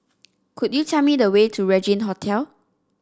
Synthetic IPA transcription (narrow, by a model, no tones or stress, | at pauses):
kʰutjutʰɛmidəwetʰuɹɛd͡ʒĩnɦotʰɛl